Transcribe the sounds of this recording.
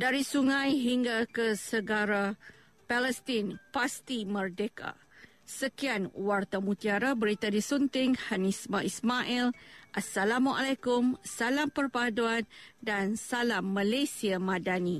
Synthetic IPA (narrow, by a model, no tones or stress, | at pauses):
daɾisuŋãjɦiŋɡakəsəɡaɾa | paləst̪inpast̪imərdeka̰ | səkianwart̪amut̪iaɾabəɾit̪adisunt̪ɪŋhanismaismaʔilʔasalamaʔalakʊmsalampərpaduandansalamːalajsiamãdani